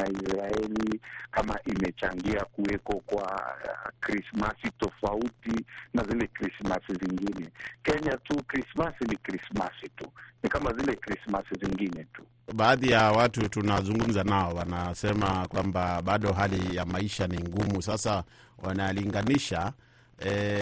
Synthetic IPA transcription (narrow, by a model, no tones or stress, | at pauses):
aisɾaɛlikamaʔimɛt͡ʃaŋɡiakuɛkɔkwa̰kɾismasitɔfautinazilɛkɾismasiziŋɡinɛkɛɲatukɾismasinikɾismasitunikamazilɛkɾismasiziŋɡinɛtu̥ | ɓaːðijawatutunazuŋɡum̩zanaɔwanasɛmakwambaɓaɗɔɦalijamaiʃaniŋɡumusasa | wanaliŋɡaniʃa | ɛ